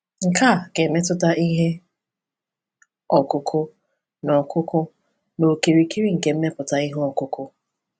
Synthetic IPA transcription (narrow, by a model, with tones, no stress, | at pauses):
ŋ̩˨ka˦˨ke˨˦me˦tʊ˦ta˦ʔi˦ɦe˦ | ɔ˨kʊ˦kʰʊ˦ | nɔ˨kʊ˦kʊ˦ | no˨ke˨ɾi˨ki˦ɾi˦ŋ̩˨ke˨m̩˦me˦pʊ˨ta˨i˦ɦʊ˦ɔ˨kʊ˦kʊ˦